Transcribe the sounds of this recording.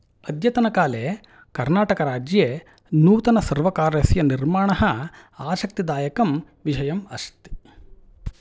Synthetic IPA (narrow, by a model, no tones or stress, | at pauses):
ɐd̪jɐt̪ɐnɐkaːleː | kɐɾnaːʈɐkɐɾaːd͡ʒjeː | nuːt̪ɐnɐsɐɾʋɐkaːɾjɐsjɐniɾmaːɳɐɦɐ | aːʃɐk̚t̪id̪aːjɐkɐm | ʋiʃɐjɐmɐst̪i̥